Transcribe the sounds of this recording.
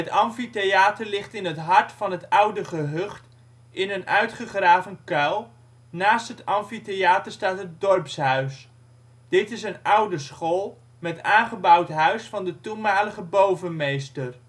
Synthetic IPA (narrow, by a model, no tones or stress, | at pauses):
ətɑmfitejaːtəɹlɪχtɪnɦətɦɑɹtfɑnɦətʌwdəχəɦɵχt | ɪnənʔœɥtχəχraːvənkœlˠ | naːstɦətɑmfitejaːtəɹstaːtɦət̚dɔrpsɦœɥs | d̥ɪtɪs̬ənʌwdəsχolˠ | mɛtaːnχəbʌwtɦœɥsfɑndətunmaːləχəbowvənmejstər